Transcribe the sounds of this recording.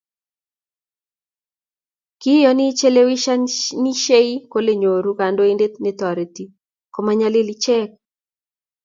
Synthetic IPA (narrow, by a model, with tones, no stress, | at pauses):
kɪ˦jɔ˦ni˦t͡ʃe˦le˦wi˦ʃa˦ni˦ʃe˦i˦ko˦le˦˨ɲo˨ɾuka˨ndo˦i˦nde˦tnɛ˦t̪ɔ˨ɾi˨ti˨ | kɔ˨maɲa˦lɪ˦lit͡ʃɛ˦k̚